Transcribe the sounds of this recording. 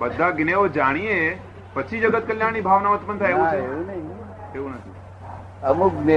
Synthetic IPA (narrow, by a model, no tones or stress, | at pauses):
bəd̪ʱːaɡɪneʋod͡ʒaːɽ̃ie | pət͡ʃʰid͡ʒəɡət̪̚kəljaːɽ̃ibʱaːʋnamət̪mənt̪ʰaɦeʋũeunɐɦĩ | eːũnət̪ʰḭ | əmuɡne